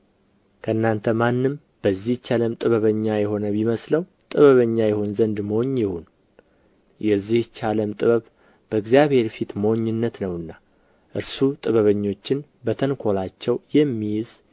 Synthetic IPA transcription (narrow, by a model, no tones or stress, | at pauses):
kʰəɨnːant̪ʰəmanːɨm | b̥əzːiht͡ʃaləmt̪ʼɨβəβəɲːajɛɦo̞nəβiməsləw | t̪ʼɨβəβəɲːajɛhonzənd̪moɲjɪhun | jʔɛzːiht͡ʃaləmt̪ʼɨβəβ | b̥əɡzijaβhe̞ɾfit̪moɲːɪnːət̪nəwɨnːa | ʔɨɾsut̪ʼɨβəβəɲːo̞t͡ʃːɪn | bət̪ʰənkʰo̞lat͡ʃːɛwjɛmːijz